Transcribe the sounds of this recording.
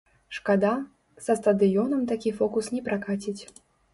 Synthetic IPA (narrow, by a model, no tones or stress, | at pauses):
ʂkad̪a | z̥ɐst̪ɐd̪ɨjɔnɐmt̪akʲifɔkusnʲɛpɾakat͡sʲit͡sʲ